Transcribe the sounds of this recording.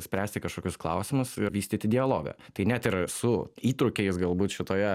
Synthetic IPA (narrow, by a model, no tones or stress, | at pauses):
sʲpʲɾʲæːsʲt̪ʲɪkɐʃkoːkʲʊsklˠɐ̰ʊsʲɪmʊsɪʋʲiːsʲt̪ʲiːt̪ʲɪd̪ʲɪɐlˠoːɡɐ̰t̪ɐɪnʲæt̪ɪɾsʊiːt̪ɾʊkʲɛɪsɡɐlˠbuːt̪ʃʲɪt̪oːjɛ